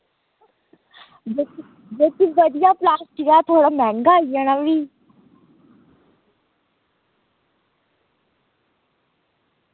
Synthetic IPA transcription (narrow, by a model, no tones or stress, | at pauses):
d͡ʒe | d͡ʒeːt̪iʋəd̪ɪjaːplaːsʈɪkat̪ʰoːɽamɛ̃ːŋɡaːijəɽ̃ãʋiː